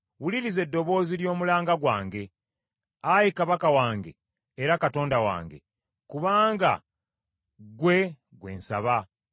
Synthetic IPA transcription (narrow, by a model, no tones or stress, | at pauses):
wuliɾize̞dːo̞βo̞ːziljo̞ːmulaːŋɡaɡwaːŋɡe̞ | ajikaβakawaːŋɡe̞̰ː | ɾakato̞ːndawa̰ːŋɡe̞̰ | kuβaːŋɡa̰ | ɡwe̞ | ɡwe̞̰ːnsa̰βa